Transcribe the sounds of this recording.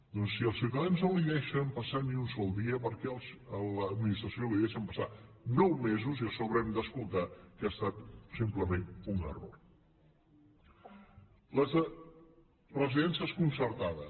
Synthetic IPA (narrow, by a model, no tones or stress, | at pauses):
d̪ɔnsːiəlˠsiwt̪əðanznoliðɛʃəmpəsaniunsɔlˠd̪iəpəɾkɛəlˠsələd̪̚minist̪ɾəsjoliðɛʃəmpəsa | nɔwmezuziəsoβɾɛmd̪əskulˠt̪akast̪at̪simpləmenunə̰ro̰r | ləz | rəziðɛnsiəskunsəɾt̪aðə